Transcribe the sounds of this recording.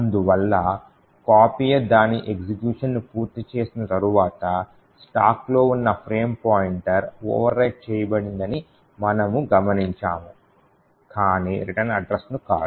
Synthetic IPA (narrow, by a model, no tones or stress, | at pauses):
ɐnd̪uʋɐlːɐ | kaːpiːjɐd̪aːniʔeɡsikjuːʂɐnːupuːɾt̪ːit͡ʃe̞ːsinɐt̪ɐɾuʋaːt̪ɐ | sʈa̰ːklo̞ːunːɐpʰɾe̞ːmpaːjiɳʈɐɾo̰ːʋɐɾːɐjʈ̚t͡ʃɛːjɐbɐɽind̪ɐni | mɐnɐmuɡɐmɐniɲt͡ʃaːmu | kaːniːɾiʈɐnɐɖɾɐsnuka̰ːɽu